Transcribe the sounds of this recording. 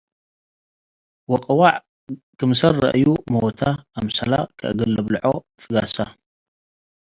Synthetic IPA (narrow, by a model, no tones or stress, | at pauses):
wɔqʼɨwaʕ | kʰɨmsɐrːɐ̰ʔɨjumowt̪ʰaːmsɐ̰la̰kʰɨ̰ʔɨɡɐlɐβlɨʕo̞ | fɨɡasa